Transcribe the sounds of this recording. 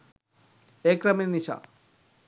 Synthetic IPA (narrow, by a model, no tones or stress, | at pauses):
ekɾɐmeniʃa̰